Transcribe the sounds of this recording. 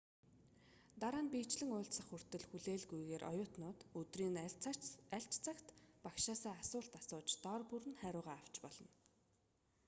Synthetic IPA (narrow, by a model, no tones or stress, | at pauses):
t̪aɾaːnpiːt͡ɕɮɘ̆ŋʊːɮt̪sə̆χɵr̥t̪ɵ̆ɮxuɮeːɮɡujɣeːɾʔɔ̰jʊːt̪nʊːt̪ɵt̪riːŋ | æɬʲt͡ɕt͡sʰakt̪pakʃaːsaːasʊːɬt̪asʊːt͡ɕt̪ɔrpuɾɘ̆nχæɾʲʊːʁaːaw̥t͡ɕpɔɮɞ̆n